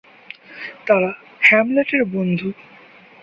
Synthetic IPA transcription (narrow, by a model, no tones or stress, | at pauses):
t̪aɾa | hɛmleʈeɾbond̪ʱu